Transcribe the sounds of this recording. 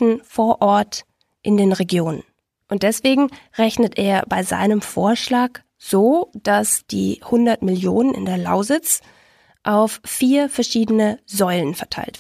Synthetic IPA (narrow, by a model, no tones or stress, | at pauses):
n̩foːɐʔɔɐt | ʔɪndeːnʁeɡjoːnən | ʔʊnt̚d̥ɛsv̥eːɡŋ̩ʁɛçnətʔḛːɐbaɪza̰ɪnəmfoːɐʃlaːk | z̥oːd̥asd̥ḭːhʊndɐtmɪljoːnənɪ̰ndeːɐla̰ʊzɪt͡s | ʔaʊfːiːɐfɛɐʃiːdənəzɔʏlənfɛɐtʰa̰ɪlt